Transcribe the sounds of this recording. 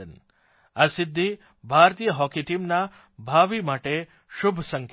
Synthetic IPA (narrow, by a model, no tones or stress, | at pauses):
ən | asɪd̪ʱːi | bʱaɾt̪ijəɦɔkiʈimna | bʱaʋimaʈe | ʃʊbʱsəŋk